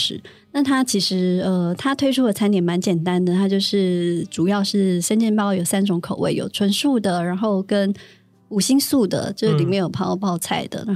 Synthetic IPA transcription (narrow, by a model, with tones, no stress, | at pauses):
ʂɻ̩˨˩˦ | na˥˩t̪ʰa˥t͡ɕʰi˧˥ʂɻ̩˧˥ə˧t̪ʰa˥t̪ʰwe˥ɪʈ͡ʂʰu˥d̪ə˨˩t͡sʰa˥nt̪jɛ˨˥nma˧˥nt͡ɕjɛ˨˩nt̪a˦˥nd̪ə˨t̪ʰa˥t͡ɕjo˥˧ʊʂɻ̩˥˩ʈ͡ʂu˨˩jɑ˥˧ʊʂɻ̩˥˩ʂə˥nt͡ɕɛ˥˧npɑ˥ʊjo˨˩ʊsa˥nʈ͡ʂʊ˧˥ŋkʰo˨˩ʊwḛ˥˩ɪjo̰˨˩ʊʈ͡ʂʰwə˧˥nʂu˥˩d̪ə˩ɻa˧˥nxo˥˩ʊkə˦˥n | u˨˩ɕi˥ŋsu˥˩d̪ə̰˩t͡ɕj̩˥˧˥li˨˩me˧˥ɪjo˨˩ʊpʰɑ˥˧ʊpɑ˥˧ʊt͡sʰa˥˩ɪd̪ə̰˩n˧˥